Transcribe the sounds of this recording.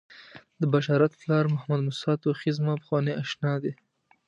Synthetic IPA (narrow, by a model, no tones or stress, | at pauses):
d̪əbaʃɑɾat̪plɑɾmʊhamad̪mʊsɑt̪oxɪzmapə̥xwɑneʔaʃnɑd̪e